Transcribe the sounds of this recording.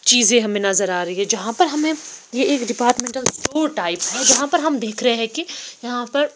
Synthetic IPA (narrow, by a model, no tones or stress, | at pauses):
t͡ʃiːzẽɦɐmẽnɐzəɾaːɾɐɦiɦɛ̃d͡ʒɐɦãpɐɾɦɐmẽjeeːkɖɪpaːɾʈmẽːɳʈəlsʈoːɾʈaːɪpɦɛd͡ʒɐɦãpɐɾɦɐmd̪eːkʰɾɐɦeɦɛ̃kejɐɦãpɐɾ